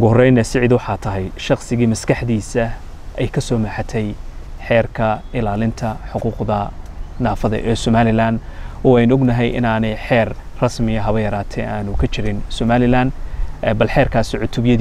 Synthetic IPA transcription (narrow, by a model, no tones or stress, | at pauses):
ʊɣʊhɔrɛjnɛsɪʕɪd̪wɑħɑːt̪ʰɐɦɛjʃɑqsɪɣiːmɐskʰɐħd̪iːsɐ | ɛjkʰɐsɔːmɐħɑt̪ʰɛjħɛːrkʰɐɪlaːlɪnt̪ʰɐħʊquːqðɐnaːfɐðɛ̰ʔɛːsɔmaːlɪlaːnɔːɛjnɔɡnɐɦɛjʔɪ̰naːnɛjħɛːrrɐsmɪɐɦɐβɐjɐɾaːt̪ʰɛjaːnʊkʰɐt͡ʃʰɪɾɪnsɔmaːlɪlaːnːbɐlħɛːrkʰaːsɪʕʊt̪ʰʊbjɐð